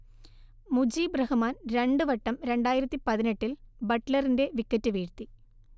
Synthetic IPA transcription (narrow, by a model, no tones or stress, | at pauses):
mud͡ʑiːbrɐhumaːnɾe̞ɳɖɨʋɐʈːɐmɾe̞ɳɖaːjiɾɐt̪ːipɐðineʈːilbɐʈlɐrinde̞ʋikːɐtːɨʋiːɾt̪i